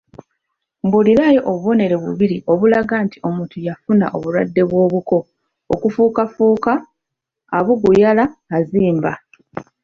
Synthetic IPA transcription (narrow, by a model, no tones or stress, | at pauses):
mbuliɾaːjoʔoβuβo̞ne̞ɾe̞βṵβiɾiʔo̞βulaɡaːntio̞muːtujafuna̰ʔo̞βulwadːe̞βwo̞ːβuko̞̰ː | kufuːkafuːkaː | βuɡujalaːziːmba̰